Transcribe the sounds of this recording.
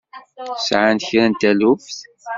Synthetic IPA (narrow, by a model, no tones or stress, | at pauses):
sʕant̪çɾænt̪ælufθ